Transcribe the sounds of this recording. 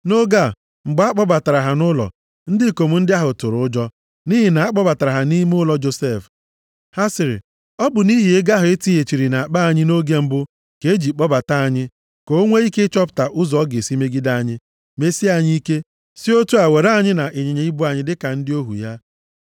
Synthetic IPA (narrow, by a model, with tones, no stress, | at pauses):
no˦ɡa˦˨ | ŋ͡m̩˨ɡ͡ba˨˦a˦k͡pɔ˦ba˨ta˨ɾa˨ɦa˨nʊ˦lɔ̰˨ | n̩˦dɪ˦˨ko˨mu˨˦n̩˦dɪ˦a˦ɦʊ˨tʊ˨ɾʊ˦ʊ˦d͡ʒɔ˦ | ni˦ɦi˨na˨a˦k͡pɔ˦ba˨ta˨a˨ɦa˨ni˦m˦ʊ˦lɔ˨d͡ʒo˨se˦˨f | ha˦sɪ˨ɾɪ̰˨ | ɔ˦bʊ˨ni˦ɦi˨e˦ɡa˦ɦʊ˨e˦ti˦e˨t͡ʃi˨ɾi˨na˨a˨k͡pa˦a˨ɲɪ˦no˦ɡe˦m̩˦bʊ˦ | ke˨˦d͡ʒi˨k͡pɔ˦ba˨ta˦a˨ɲɪ˦ | ko˨o˦ŋʷe˦i˦ke˦t͡ʃɔ˦pta˨ʔʊ˦zɔ˨˦ɡe˨si˦me˦ɡi˦da˦a˨ɲɪ˦ | me˦si˦a˨ɲɪ˦i˦ke˦ | si˦o˦tu˦a˨we˨ɾa˦ɲɪ˦na˨ʔe˨ɲe˨ɲe˨˦i˦bu˦a˨ɲɪ˦dɪ˦ka˨n̩˦dɪ˦o˦ɦṵ˨ja˦